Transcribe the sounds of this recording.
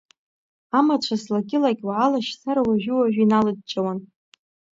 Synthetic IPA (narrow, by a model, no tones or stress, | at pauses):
amat͡ʃʷʰaslaɡʲɪlaɡʲʼwaːlaʃsaɾawaʒᶣʊwaʒᶣinalɨd̚t͡ʃʼawan